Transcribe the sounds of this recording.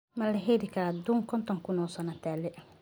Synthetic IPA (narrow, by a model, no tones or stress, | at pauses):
mɐlɐɦɛɾɪkʰɐɾad̪uŋkʰɔnt̪ʰɔŋkʰʊnɔsɐnɐt̪ʰaːlɛ